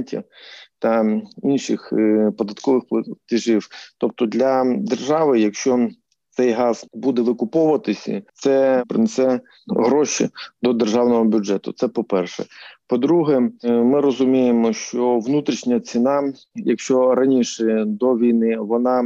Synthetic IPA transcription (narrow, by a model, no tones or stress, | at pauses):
tʲɐt̪ɐinʃɪ̰xpɔd̪ɐt̪kɔʋɪxplˠɐt̪ɪʒiwt̪ɔp̚t̪ɔd̪lʲɐd̪erʒɑʋɪjɐkʃt͡ʃɔ | t̪sɛjɦɑz̥bud̪ɛʋɪkʊpɔʋɐt̪ɪsʲɐ̰t̪sɛpɾɪnesɛ | ɦɾɔʃḭd̪ɔd̪erʒɑwnɔɦɔbʲʊd͡ʒɛt̪ʊ̰t̪sɛpɔpɛrʃɛ̰pɔd̪ɾuɦɛmɪɾɔzʊmʲijemɔʃt͡ʃɔʋnut̪ɾʲiʃnʲɐt͡sʲinɑ | jɐkʃt͡ʃɔɾɐnʲiʃɛd̪ɔʋʲijnɪʋɔnɑ